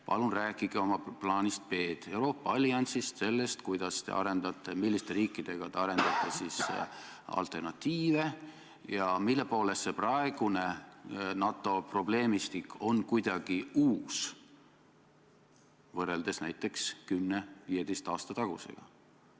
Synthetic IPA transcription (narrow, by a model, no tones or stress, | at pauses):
pɑ̰lunræːkːiɡ̥eo̞mɑplɑːnʲist̪̚pe̞ːd̪̥e̞wɾo̞ːpːˑɑɑlʲiɑnʲsist̪se̞lːe̞st̪kujd̪̥ɑst̪e̞̰ʔɑ̰ɾe̞nd̪ɑt̪ːˑemilːist̪e̞ɾiːkˑːid̪̥e̞ɡ̥ɑt̪eɑɾe̞nd̪̥ɑt̪ːˑesis | ɑ̰lt̪ˑe̞rnɑt̪ːˑiːve̞ | jɑmilːe̞po̞ːlestse̞prɑe̞ɡ̥une̞nɑt̪ˑːo̞pro̞ble̞ːmist̪ikːo̞nkujd̪̥ɑɡ̥iuːs | vɤrːe̞ld̪̥e̞snæjt̪ːˑe̞kskymnevije̞d̪e̞jst̪ɑːst̪ɑt̪ɑɡ̥use̞̰ɡ̥ɑ̰